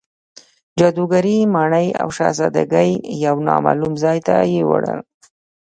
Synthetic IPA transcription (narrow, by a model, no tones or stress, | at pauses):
d͡ʒɑd̪uɡaɾimɑɳəja̰wʃɑzad̪aɡəjjawnɑmɑlumzɑjt̪ajewaɽəl